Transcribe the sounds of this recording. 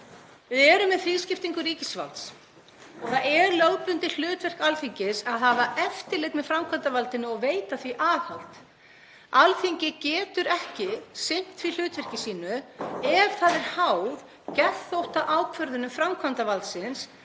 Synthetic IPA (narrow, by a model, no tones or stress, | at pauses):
vɪðɛːɾʏmɛðθiðscɪft̪iŋkʏɾiːcɪsva̰lt̪s | θaðɛɾlœɣpʏnt̪ɪl̥ʏːt̪vɛr̥kalθiɲcɪsaðhavaʔɛft̪ɪlejɣt̪mɛðfɾamkʰant̪avalt̪ɪnːʏɔɣveːjt̪aθviʔaːɣhawl̥t̪ | alθiɲcɪcɛːt̪ʏɾɛhcɪsɪm̥t̪vil̥ʏːt̪vɛr̥cɪsiːnʏɛɾ̥θaðɛɾ̥haːwð | cɛθowht̪aʔaːwkʰvœɾðʏnʏmfɾamkʰvant̪avalt̪sɪns